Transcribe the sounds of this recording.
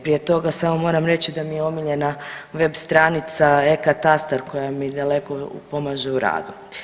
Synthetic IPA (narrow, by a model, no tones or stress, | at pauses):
pɾije̞t̪o̞ɡasamo̞mo̞ːɾamɾe̞t͡ɕid̪amijeo̞miʎe̞naʋe̞bst̪ɾaːnit̪saekat̪ast̪aɾko̞jamid̪ale̞ko̞po̞maʒeuɾa̰ːd̪u